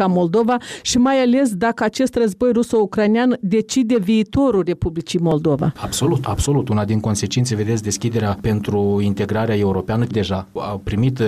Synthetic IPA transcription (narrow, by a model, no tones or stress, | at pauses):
amo̞ld̪o̞vaʃimajale̞s̬d̪akəat͡ʃe̞st̪rəzbo̞jrusoukɾajnɪand̪e̞t͡ʃid̪e̞viːt̪o̞ɾulre̞publit͡ʃijmo̞ld̪o̞va̰abso̞lut̪abso̞lut̪unad̪inko̞nse̞t͡ʃint̪seve̞d̪esʲd̪e̞skʲid̪e̞ɾeape̞nt̪ɾuint̪e̞ɡɾaɾeae̞uɾo̞peanəd̪e̞ʒaa̰pɾimit̪